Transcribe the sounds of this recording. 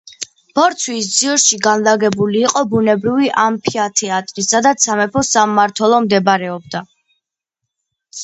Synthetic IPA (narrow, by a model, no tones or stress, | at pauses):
b̥ɔɾt̪sʰwisd̪ziɔɾʃiɡanlaɡɛbuliːqʼɔbunɛbɾiviʔampʰiat̪ʰɛat̪ʼɾisad̪at̪sʰamɛpʰɔsamːaɾt̪ʰwɛlˠɔmd̪ɛbɾɛɔb̚d̪a